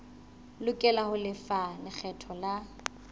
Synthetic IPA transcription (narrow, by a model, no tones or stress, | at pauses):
lʊkʼɛlahʊlɪfalɪk͡xʰɛtʰɔla